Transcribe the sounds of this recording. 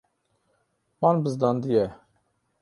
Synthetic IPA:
wɑːnbɨzd̪ɑːnd̪ijɛ

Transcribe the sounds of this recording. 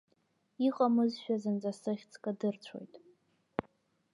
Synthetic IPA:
iχʼamɨzʃᶣazɨnd͡zʼasɨχʲt͡sʰʼkʼadɨrt͡sʷʰo̞̰jtʼ

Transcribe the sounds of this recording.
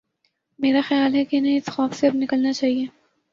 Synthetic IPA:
meːɾaxɐjaːlɦɛkeɪnɐɦĩɪsxɔːfseɐbnɪkəlnat͡ʃaːɦieː

